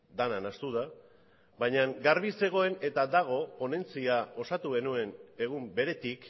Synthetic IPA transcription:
d̪ananast̪uð̞a | βajɲaŋɡaɾβise̞ɣ̞o̞e̞ne̞t̪ad̪aɣ̞o̞po̞ne̞nt͡siao̞sat̪uɣe̞nue̞ne̞ɣ̞umbe̞ɾe̞t̪ik

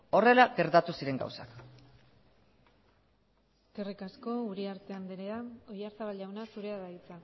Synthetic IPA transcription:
o̞re̞laɡe̞ɾt̪at̪usiɾe̞ŋɡa̰wsa̰k | skerikasko̞uɾiaɾt̪e̞and̪eɾeao̞jaɾsaβalʝawnasuɾe̞aðait͡sa

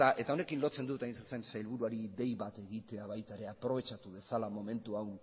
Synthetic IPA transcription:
aʔe̞t̪ao̞ne̞kinlo̞t͡se̞nd̪ut̪ajnsust͡se̞nseajlβuɾuaɾiðe̞jβat̪e̞ɣit̪e̞aβ̞ajt̪aeɾe̞apɾo̞β̞e̞t͡ʃat̪uðe̞salamo̞me̞nt̪uawn

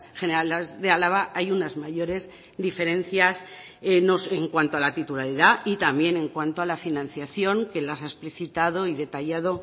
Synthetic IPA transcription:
xe̞neɾalezðe̞alaβ̞aʔajunazmaʝo̞ɾe̞z | d̪ife̞ɾẽ̞nθjas | noseŋkwant̪oalat̪it̪ulaɾiðait̪ambje̞nẽ̞ŋkwant̪oalafinãnθjaθjoŋke̞lasaespliθit̪að̞o̞iðe̞t̪aʝaðo̞

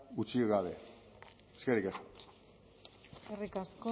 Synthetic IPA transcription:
ut͡sieɣaβe | eskeɾikes | erikasko

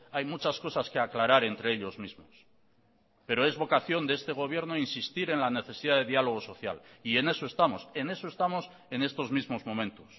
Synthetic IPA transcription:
ajmut͡ʃasko̞saskeaklaɾaɾe̞nt̪ɾe̞eʎo̞zmizmos | pe̞ɾo̞e̞zβo̞kaθjo̞nd̪eest̪e̞ɣ̞o̞β̞jeɾnoinsist̪iɾe̞nlane̞θe̞siðaðe̞ðialo̞ɣ̞o̞so̞θja̰lie̞ne̞so̞e̞st̪amo̞se̞ne̞so̞est̪amo̞s | e̞ne̞st̪o̞zmizmo̞zmõ̞mẽ̞nt̪os

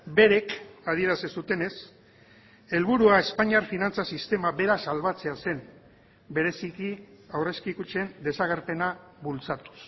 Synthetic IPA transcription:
be̞ɾe̞kað̞ie̞ɾasesut̪e̞ne̞s | e̞lβ̞uɾuae̞spaɲiaɾfinant͡sasist̪e̞maβe̞ɾasalβat͡se̞ase̞n | be̞ɾe̞sikiawre̞skikut͡ʃe̞nd̪e̞saɣ̞e̞ɾpe̞naβult͡sat̪u̥s

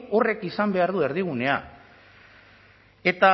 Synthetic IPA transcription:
o̞re̞kisambe̞aɾðue̞ɾð̞iɣ̞une̞a | e̞t̪a

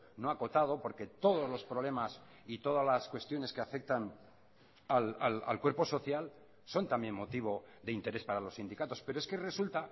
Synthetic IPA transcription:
no̞ako̞t̪að̞o̞po̞ɾke̞t̪o̞ð̞o̞zlo̞spɾoβle̞mas | it̪o̞ð̞alaskwe̞st̪jo̞ne̞skeafe̞k̚t̪an | alala̰lkwe̞ɾpo̞so̞θjal | so̞nt̪ambje̞nmo̞t̪iβ̞o̞ðe̞int̪e̞ɾe̞spaɾalo̞sind̪ikat̪o̞spe̞ɾoeske̞re̞sult̪a

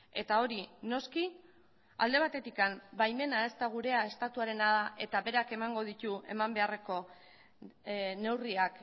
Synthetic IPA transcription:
e̞t̪ao̞ɾino̞ski | a̰ld̪e̞β̞at̪e̞t̪ikambajme̞nae̞st̪aɣ̞uɾe̞ae̞st̪at̪uaɾe̞naðaʔe̞t̪aβe̞ɾake̞maŋɡo̞ð̞it̪ue̞̰mambe̞are̞ko̞ | ne̞wriak

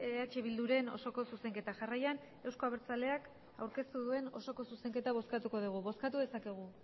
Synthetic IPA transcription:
eat͡ʃeβild̪uɾe̞no̞̰so̞ko̞suse̞ŋke̞t̪aʝarajan | e̞wsko̞aβeɾt͡sale̞ak | awɾke̞st̪uðue̞no̞so̞ko̞suse̞ŋke̞t̪aβo̞skat̪uko̞ð̞uɣ̞uβo̞skat̪uðe̞sake̞ɣ̞u

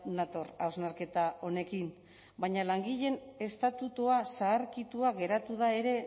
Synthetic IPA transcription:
nat̪o̞ɾa̰wznaɾke̞t̪ao̞ne̞kim | baɲalaŋɡiʎe̞ne̞st̪at̪ut̪uasaːɾkit̪uaɡe̞ɾat̪uðae̞ɾe̞

